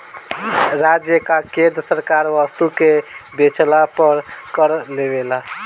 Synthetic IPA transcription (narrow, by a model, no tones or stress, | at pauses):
ɾad͡ʒjəkakẽd̪ɾəsəɾkaɾʋəst̪ukebet͡ʃʰlapəɾkəɾlebela